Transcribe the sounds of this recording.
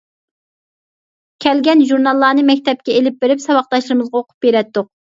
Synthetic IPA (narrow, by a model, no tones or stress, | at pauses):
kʲʰɛlɡʲɛnʒuɾnɑlˠːɑːnɨmɛkʲt̪ʰɛp̚kʲɛelɪp̚beɾɪpsɑwɑqt̪ɑʃlˠɨɾɨmɨzʁɑoqʰʊ̥p̚beɾɛt̪ːʊq̚